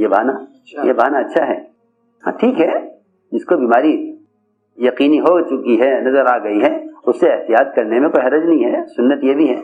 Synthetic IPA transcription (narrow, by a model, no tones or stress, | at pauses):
jeba̰ːna | jebaːnaɐtːʃʰaɦɛ̰ː | hã̰ːʈʰiːkɦɛ | d͡ʒɪskobiːmaːɾi | jɐqiːniɦot͡ʃʊkiɦɛnɐzəɾaːɡɐiɦɛʊsːeɪɦt̪ijaːd̪̚kɐɾnemẽkoːiɦɐɾəd͡ʒnɐɦĩɦɛsʊnːət̪jebʱiɦɛ̰ː